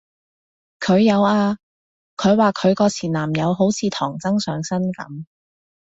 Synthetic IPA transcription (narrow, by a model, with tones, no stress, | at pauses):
kʰɵ˨˧ɥjɐ˨˧waː˧ | kʰɵ˨˧ɥwaː˨˩kʰɵ˨˧ɥkɔː˧t͡sʰiː˨˩nlaː˨˩mjɐ˨˧wɦo˨˥wt͡sʰiː˨˧t̪ʰɔː˨˩ŋt͡sɐ˥ŋsœː˨˧ŋsɐ˥nkɐ̰˨˥m